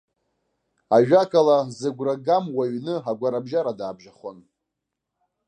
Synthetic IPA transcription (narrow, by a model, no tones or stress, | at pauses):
aɥᶣakʰʼalazɨɡʷraɡamwaɥnɨɦaɡʷaɾabʒaɾadaːbʒaχon